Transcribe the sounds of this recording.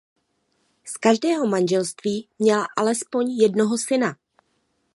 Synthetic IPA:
skaʒdɛːɦomanʒɛlst̪viːmɲɛlaʔalɛspo̞ɲjɛdno̞ɦo̞sɪna

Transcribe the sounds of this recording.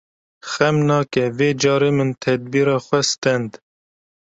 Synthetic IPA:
xɛmnɑːkɛveːd͡ʒɑːɾeːmɨnt̪ʰɛd̪̚biːɾɑːxʷɛst̪ɛnd̪

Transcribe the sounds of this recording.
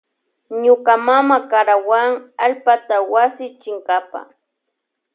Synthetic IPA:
ɲokamamakaɾawaŋalpat̪awasɪt͡ʃɪŋkapa̰

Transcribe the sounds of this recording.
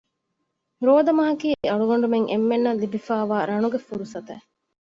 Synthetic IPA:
ɾoːd̪ɐmɐɦɐkiːeɐɭuɡɐɳ̆ɖumeŋʔḛmːenːɐlːibifaːʋaːɾɐnuɡefuɾusɐt̪ɐ̰

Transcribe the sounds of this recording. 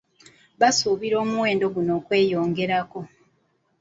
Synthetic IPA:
βasuːβiɾo̞ːmuwe̞ːndo̞ɡunoːkwe̞ːjo̞ːŋɡe̞ɾako̞

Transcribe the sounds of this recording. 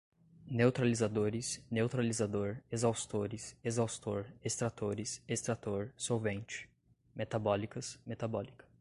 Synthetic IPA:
newt̪ɾalizad̪oɾɪsnewt̪ɾalizad̪oɾezawst̪oɾɪsezawst̪oɾest̪ɾat̪oɾɪsest̪ɾat̪oɾsowvẽnt͡ʃɪ̥ | met̪abɔlikɐsmet̪abɔlikɐ̥

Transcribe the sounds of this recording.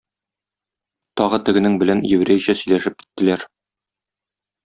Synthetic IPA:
t̪ɒʁɤt̪ɘ̆ɡɘ̆nɘŋbɘ̆lænjɘ̆wɾæjɕæsɵ̆jlæʃɘp̚ki̥t̪ːɘ̆læɾ

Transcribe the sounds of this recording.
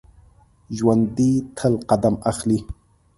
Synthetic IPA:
ʒwand̪it̪ʰəlqad̪amaxli

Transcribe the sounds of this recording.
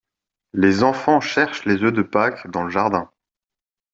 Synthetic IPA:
lezɑ̃fɑ̃ʃɛʁʃlezød̪əpakd̪ɑ̃ləʒaʁd̪ɛ̃

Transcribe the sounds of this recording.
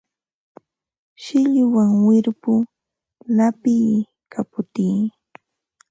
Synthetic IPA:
ʃɪʎʊwaŋwɪɾpʊ | lapiː | kʰapʊt̪iː

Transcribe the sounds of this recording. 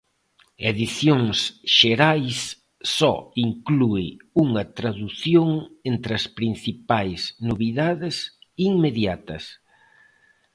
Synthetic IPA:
eðiθjoŋsʃeɾajsː | ɔiŋkluɪuŋɐt̪ɾaðuθjoŋent̪ɾɪɐspɾin̟θipajsnoβiðaðɪsiŋmeðjat̪ɐs

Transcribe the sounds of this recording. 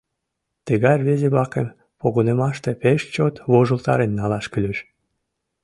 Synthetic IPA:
t̪əɣɑrβezeβlɑkḛm | poɣonemɑʃt̪epeʃt͡ɕot̪βoʒolt̪ɑ̰ɾenːɑlɑʃkylʲeʃ

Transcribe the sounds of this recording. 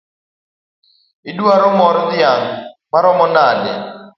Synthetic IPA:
ɪduaɾɔmɔɾd̪ɪaŋmaɾɔmɔnadɛ̰

